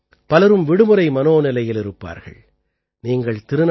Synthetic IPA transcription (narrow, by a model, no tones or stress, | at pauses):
pɐlɐɾɯmʋɪɽɯmɯɾɐɪmɐnoːnɪlɐjɪlɪɾɯpːa̰ːɾɣɐ̰ɭ | niːŋɡɐɭt̪ɪɾɯn